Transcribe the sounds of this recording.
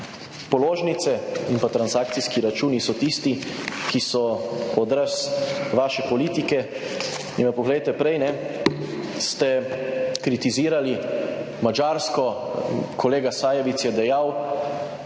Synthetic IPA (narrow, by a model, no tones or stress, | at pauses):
pɔloːʒnit̪sɛinpat̪ɾansaːk̚t̪siskiɾat͡ʃuːnisɔt̪ist̪ikisɔɔd̪ɾəsʋaːʃɛpɔliːt̪ikɛ | inʋapɔɡlɛjt̪ɛpɾɛjnɛ | st̪ɛkɾit̪iziːɾali | mad͡ʒaːɾskɔkʰɔleːɡasaːjɛʋit̪sjɛd̪ɛjaw